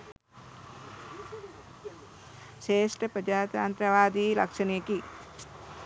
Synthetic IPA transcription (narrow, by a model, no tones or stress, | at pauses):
ʃeːʂʈɐpɾɐd͡ʒaːt̪aːnt̪ɾɐʋaːd̪iːlɐkʂɐnjɐki